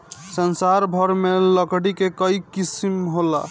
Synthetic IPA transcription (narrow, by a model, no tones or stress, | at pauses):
sənsaɾbʱəɾmeləkɽikekəjkisimɦola̰